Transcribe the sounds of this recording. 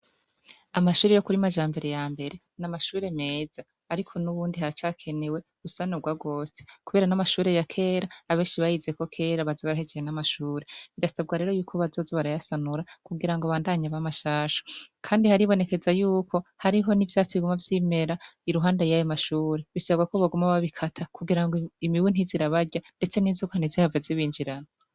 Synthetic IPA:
amaʃuːɾejo̞kuɾimaʒaːmbe̞ɾe̞jaːmbe̞ɾe̞ | namaʃuːɾe̞me̞ːzaːɾikʰo̞nuβuːndihaɾit͡ʃaːkʰe̞ne̞we̞ɡusanuɡwaɡo̞ːsekuβe̞ːɾanamaʃuːɾe̞jakʰe̞ːɾaːβe̞ːnʃiβajize̞ko̞kʰe̞ːɾaβazoβaɾahed͡ʒejenamaʃuːɾe̞βidasabɡaɾe̞ːɾo̞juːkʰo̞βazozoβaɾajasanuɾakuɡiɾaŋɡoβaːndaːɲaβamaʃaːʃo̥kʰaːndihaɾiβo̞ne̞ke̞zajuːkʰo̞haɾiɦo̞nivjaːt͡siiɡumavjiːme̞ɾaiɾuɦaːndajajomaʃuːɾeβisaβaɡwakoβaɡumaβaβikʰatʰakuɡiɾaŋɡoimiβun̥hiziɾaβaɾɟande̞t͡se̞niːzukanizihavaziβiːɲd͡ʒiɾano

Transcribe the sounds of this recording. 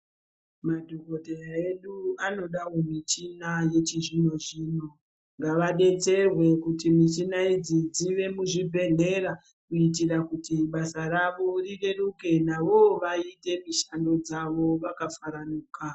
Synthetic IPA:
madʱoko̞teaeɗuano̞ɗawo̞mit͡ʃinaje̞t͡ʃiʐino̞ʐiːno̞ | ŋɡaʋaɗe̞t͡se̞rwe̞kutimit͡ʃinaid͡zid͡ziʋe̞muʐibʱe̞ɮe̞ɾa | kuit̬irakutiɓasaɾaʋo̞riɗe̞ruke̞naʋo̞ʋaite̞miʃando̞d͡zaʋo̞ʋakafaɾanuːka

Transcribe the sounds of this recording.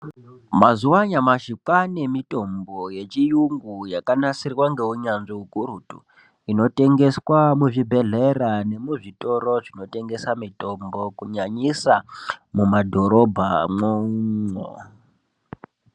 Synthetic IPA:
mazuwaɲamaʃikwanemito̞mbo̞je̞t͡ʃijuŋɡujakanasirwaŋɡe̞uɲanʐiukuɾutṵ | ino̞te̞ŋɡe̞swamuʐibʱe̞ɮe̞rane̞muʐito̞ɾo̞ʐino̞te̞ŋɡesamito̞mbo̞kuɲaɲisamumadʱo̞ɾo̞bʱamouŋo̰

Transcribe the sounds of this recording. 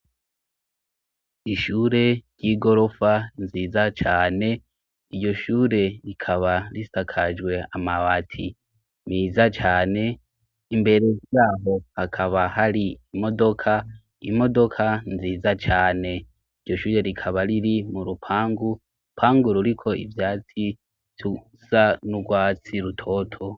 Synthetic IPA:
iʃuːɾe̞ɾɟiːɡo̞ɾo̞fanziːzat͡ʃaːne̞ | iɾɟo̞ʃuːɾe̞ɾikʰaβaɾisakʰad͡ʒwe̞amaβatʰḭ | miːzat͡ʃaːne̞ | imbe̞ɾe̞jaːɦo̞hakʰaβahaɾiimo̞do̞kʰa | ḭmo̞do̞kʰanziːzat͡ʃaːne̞ | iɾɟo̞ʃuːɾe̞ɾikʰaβaɾiɾimuɾupʰaːŋɡu | upʰaːŋɡuɾuɾikʰo̞ḭvjaːt͡si | u | zanuɡwaːt͡siɾutʰo̞tʰo̞

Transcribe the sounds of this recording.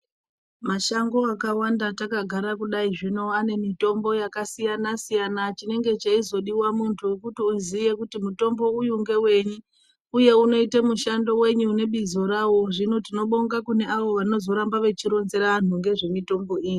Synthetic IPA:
maʃaŋɡo̞akawandatakaɡʱaɾakuɗaiʐino̞ane̞mito̞mbo̞jakasijanasijanat͡ʃine̞ŋɡe̞t͡ʃaizo̞ɗiwamuntʰukutiuziʋe̞kutimuto̞mbo̞ujuŋɡe̞we̞ɲu | uje̞uno̞itamuʃando̞we̞ɲuːne̞ɓizoɾawoʐino̞tino̞ɓoŋɡakune̞ʔaʋo̞ʋano̞zo̞ɾambaʋe̞t͡ʃiɾo̞nze̞ɾaan̤uŋɡe̞ʐe̞mito̞mbo̞iːji

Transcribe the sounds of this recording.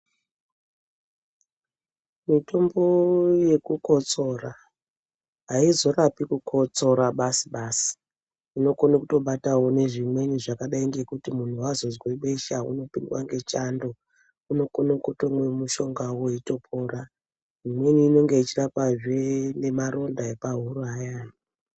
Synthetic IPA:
mito̞mbo̞je̞kuko̞t͡so̞ra | ɦaizo̞rapikukʰo̞t͡so̞ɾaɓasi̥ɓaːsi̥ | ino̞konakuto̞ɓatawo̞ne̞ʐimwe̞niʐakaɗaiŋɡe̞kutimun̤uwazo̞zwe̞ɓe̞ʃaṵno̞pindwaŋɡe̞t͡ʃando̞ | uno̞konokotomwe̞muʃo̞ŋɡawoito̞pʰora | ʐimwe̞niːno̞ŋɡe̞it͡ʃirapaʐene̞maɾo̞ndaepaɦuruɦajana

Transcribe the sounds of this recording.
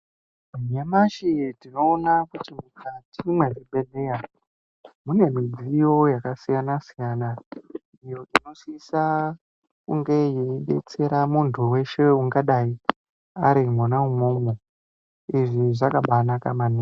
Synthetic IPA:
ɲamaʃitino̞ːnakutimukʰatʰimweriɓe̞leja | mune̞mid͡zijo̞jakasijanasijaːna | ijo̞ʔino̞sisa | kuŋɡe̞jeiɓe̞t͡se̞ɾamuntʰuwe̞ʃe̞uŋɡaɗai | aɾimonaumoːmo | iʐiʐakaɓanakamani

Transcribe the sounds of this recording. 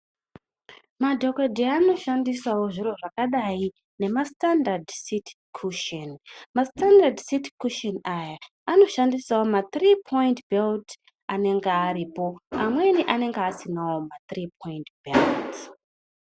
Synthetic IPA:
madʱo̞kedʱiano̞ʃandisawo̞ʐiro̞ʐakaɗai | ne̞mastandardsit | kʰuʃenmastandardsitkuʃenaja | ano̞ʃandisawomat̪ripʰo̞jintbʱelt | ane̞ŋɡeaɾiːpo̞amwe̞niʔane̞ŋɡeasinawo̞mat̪ripʰo̞intbʱelt

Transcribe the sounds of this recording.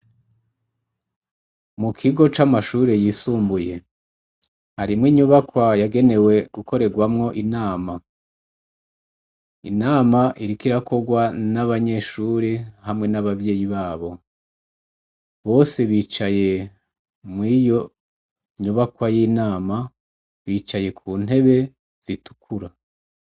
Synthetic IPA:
mukʰiɡo̞t͡ʃamaʃuɾe̞jisuːmbuje̞ | haɾimŋiːɲuβakwajaɡe̞ne̞we̞ɡ̥uko̞ɾe̞ɡwamŋo̞ʔinaːma | ḭnaːmaʔiɾikiɾakʰo̞ɡwanaβaɲe̞ʃuɾihamŋe̞naβavje̞ːjiβaːβo̞ | βo̞ːse̞βiːt͡ʃaje̞ | mwijo̞ | ɲuβakwajinaːma | βit͡ʃaje̞kʰuːn̥e̞βe̞ | z̥itu̥kʰuɾa

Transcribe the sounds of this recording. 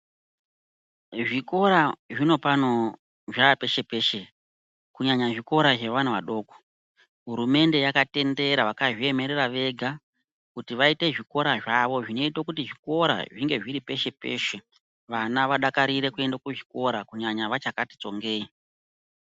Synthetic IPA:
ʐiko̞ɾaʐino̞pano̞ | ʐape̞ʃe̞peʃe | kuɲaɲaʐiko̞ɾaʐe̞ʋan̤uʋa̰ɗo̞ːko̥ | ɦuɾume̞nde̞jakate̞nde̞ɾaʋakaʐie̞me̞ɾeɾaʋe̞ɡʱa | kutiʋaite̞ʐiko̞ɾaʐaʋo̞ʐino̞itokutiʐiko̞ɾa̰ʐiŋɡe̞ʐiɾipe̞ʃe̞pe̞̰ːʃe | ʋanaʋaɗakaɾiɾe̞kue̞ndakuʐiko̞ɾakuɲaɲaʋat͡ʃakati̥t͡so̞ŋɡe̞ːi

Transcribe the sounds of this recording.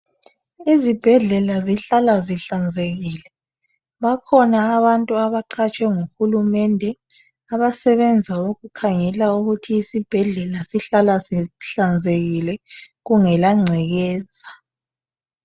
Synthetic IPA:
izib̥ʱɛɮɛlaziɬalaziɬand͡zʱeɣiːlɛ | βakʰɔnaːβantʼuaβaǃʰat͡ʃʼwɛŋuxulumɛndʱɛ | aβasɛβɛnd͡zʱaoɣukʰaŋɛlauɣutʰiːsib̥ʱɛɮɛlasiɬalasiɬand͡zʱeɣilɛ | ɣuŋɛlaŋ͡ǀʱɛɣɛːza

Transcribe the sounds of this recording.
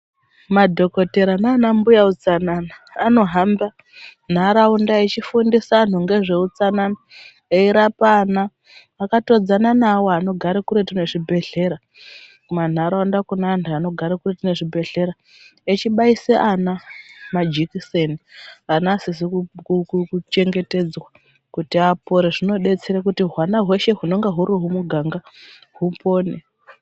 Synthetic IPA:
madʱo̞ko̞te̞ɾanaːnambujaut͡sananaːno̞ɦamba | n̤aɾaundaet͡ʃifundisaːn̤uŋɡe̞ʐe̞ut͡sanana | eiɾapanaː | kato̞d͡zananawoano̞ɡʱaɾikuɾetine̞ʐibʱe̞ɮe̞ɾa | uman̤aɾaandakunandano̞ɡʱaɾekuretine̞ʐibʱe̞ɮe̞ɾa | et͡ʃiɓaiseʔanamad͡ʒikisenianasisikuukkut͡ʃe̞ŋɡe̞te̞d͡zwa | kutiapo̞ɾeʐino̞ɗe̞t͡seɾakutiɦwanaɦwe̞ʃe̞ɦuno̞ŋɡeɦuɾuɦumuɡʱaŋɡa | ɦupo̞ːnḛ

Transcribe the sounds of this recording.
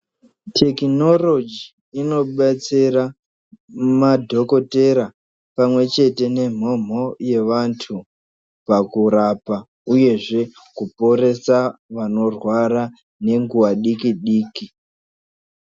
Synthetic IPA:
tʰe̞kino̞lo̞d͡ʒi | ino̞ɓat͡sira | madʱo̞ko̞te̞ɾa | pamwe̞t͡ʃe̞te̞ne̞m̤o̞m̤o̞je̞ʋantʰu | pakuɾapa | uje̞ʐe̞ | kupo̞ɾe̞saʋano̞rwaɾa | ne̞ŋɡuwaɗikiɗiːki

